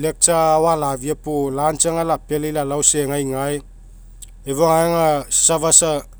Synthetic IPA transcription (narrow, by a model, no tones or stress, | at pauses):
lek̚t͡ʃawalaviapulant͡ʃaŋalapelilalawseŋajŋaj | evoŋaeŋasavasa